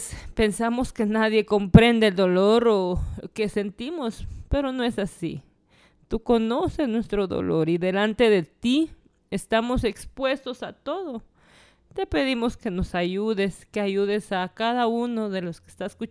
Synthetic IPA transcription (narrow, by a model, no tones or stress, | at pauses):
spe̞nsamo̞skenaðje̞kompɾe̞nd̪aeld̪o̞loɾokese̞nt̪imospe̞ɾono̞e̞sasḭ | t̪uko̞nosesnwe̞st̪ɾo̞ðo̰lo̞ɾiðe̞lant̪e̞ðe̞t̪i | est̪amo̞se̞kspwe̞st̪o̞sat̪o̞ðo | t̪e̞pe̞ðimo̞ske̞nosaʝuðeskeaʝuðesakaðauno̞ðeloske̥st̪asku